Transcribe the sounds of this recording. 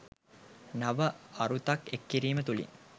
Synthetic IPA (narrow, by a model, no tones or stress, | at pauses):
naʋəaɾut̪akekːiɾiːmət̪ulḭ